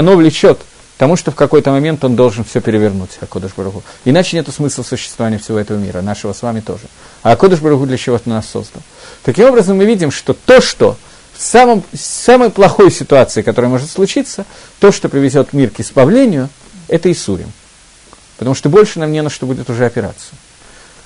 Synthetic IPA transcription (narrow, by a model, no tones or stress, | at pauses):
ɐno̞vlʲɪt͡ɕo̞t̪ | t̪ɐmuʂt̪o̞fkɐko̞jt̪əmɐmʲe̞nt̪o̞nd̪o̞lˠʐɨnfsʲopʲɪɾʲɪvʲɪrnutʲɐkod̪əʂbəɾʊɣuɪnat͡ɕɪnʲe̞t̪ʊsmɨslˠəsʊɕːɪ̥st̪vɐvanʲɪjəfsʲɪvo̞ɛt̪əvəmʲḭɾə̰naʂɨvəsvamʲɪt̪o̞̰ʐɨ | ɐɐko̞d̪əʂbəɾʊɣud̪lʲət͡ɕɪvot̪nasːo̰zd̪ə̰n | t̪ɐkʲimo̞bɾəzəmːɨvʲidʲɪmʂt̪o̞t̪o̞ʂt̪o̞̰ | fsaməmsaməjplˠɐxo̞jsʲɪt̪ʊat̪sɨɪkɐt̪o̞ɾəjəmo̞ʐɨt̪slˠʊt͡ɕit̪sə | t̪o̞ʂt̪opɾʲɪvʲɪzʲo̞t̪mʲirkɪspɐvlʲenʲɪjʊ | ɛt̪əɪsuɾʲɪ̰m | pə̥t̪ɐmuʂt̪obo̞lʲʂɨnamnʲenəʂt̪əbudʲɪt̪ʊʐɛɐpʲɪɾa̰t̪sɨjʊ